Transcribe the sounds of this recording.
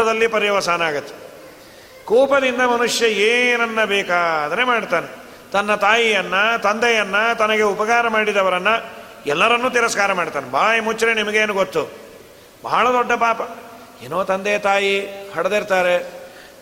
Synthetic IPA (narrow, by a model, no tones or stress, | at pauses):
ɐd̪ɐlːipɐɾjɐʋɐsaːnaːɡɐt̪ːe̥ | kɔːpɐd̪ind̪ɐmɐnuʂjɐeːnɐnːɐbɛːkaːd̪ɐɾemaːɽt̪aːne | t̪ɐnːɐt̪aːjijɐnːɐt̪ɐnd̪ɛjɐnːɐt̪ɐnɐɡe̞upɐkaːɾɐmaːɽid̪ɐʋɐɾɐnːɐ | ɛlːɐɾɐnːuːt̪̬iɾɐskaːɾɐmaːɽt̪aːnebaːjmut͡ʃːɾenimɐɡeːnuɡot̪ːu | bɐ̰ɦɐɭɐd̪ɔɖːɐpaːpɐ | eːnoːt̪ɐnd̪ejɐt̪aːjihɐɽɐd̪iɾt̪aːɾe